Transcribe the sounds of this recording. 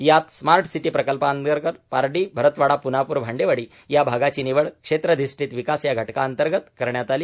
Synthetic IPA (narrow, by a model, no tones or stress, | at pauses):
jat̪smaɾʈsiʈiːpɾəkəlpaənɡəɾkəɾpaɾɖiːbʱəɾət̪ʋaɽapunapuːɾbʱaɳɖeʋəɽiː | jabʱaɡat͡ɕiːniʋəɭkʂet̪ɾəd̪isʈiːt̪ʋikasjaɡʱəʈkaənt̪əɾɡət̪kəɾɳjat̪aliː